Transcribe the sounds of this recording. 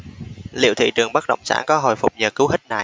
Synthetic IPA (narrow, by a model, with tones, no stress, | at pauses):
lḭ˧˨əwt̪ʰḭ˧˨t͡ɕɨ˨˩əŋɓa˦˥k̚ɗə̰˧˨wŋ͡msa̰ː˧˥nkɔ˨˦ɦo̰˧˨jfʊ˨˩k͡p̚ɲəː˨˩kɨ˨˦whi˦˥k̟̚na˨˧˩